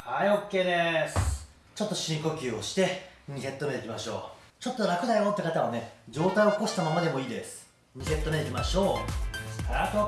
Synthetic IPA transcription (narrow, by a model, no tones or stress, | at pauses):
haiokʲːe̞ːd̪es | t͡ɕo̞t̪ːo̞ɕĩko̞kʲɨːo̞ɕi̥t̪e̞ɲ̟ise̞t̪ːo̞me̞t̪ekʲimaɕo̞̰ː | t͡ɕo̞t̪ːo̞ɾakɯ̟d̪ajo̞ːt̪ːekat̪aβane̞d͡ʑo̞ːt̪ajiooko̞ɕi̥t̪amamad̪e̞moiːd̪e̞sɨ̥ | ɲ̟ise̞t̪ːo̞med̪ekʲimaɕo̞ː | aɾat̪o